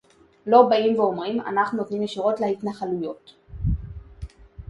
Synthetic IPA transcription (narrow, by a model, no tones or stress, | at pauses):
lo̞baimveo̞mʁima̰naχnunot̪nimeʃiʁo̞tlehitnaχalujo̞t